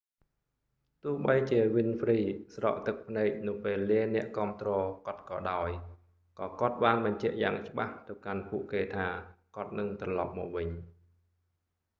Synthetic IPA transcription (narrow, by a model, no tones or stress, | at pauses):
t̪ʊ̆əhɓəjt͡ɕiəʋɨnfʰriːsrɑ̰ːʔt̪ɨk̚pʰnɛːk̚nɨwpeːlːiənɛ̆əʔkŏəmt̪rɔːkŏət̪̚kɑ̰ːɗaɔj | kɑːkŏət̪̚ɓaːnɓɑɲt͡ɕɛ̆əʔjaːŋt͡ɕə̆ɓaht̪ɨwkanpuəʔkeːt̪ʰaːkŏət̪̚nɨŋt̪rɑlɑ̰p̚mɔ̰ːk̚ʋɨɲ